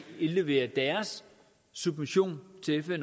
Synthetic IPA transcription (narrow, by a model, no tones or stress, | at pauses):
ile̝ʋe̝̰ːɐd̥æɐsː | ub̥miɕo̝̰ːnt͡sʰe̝efen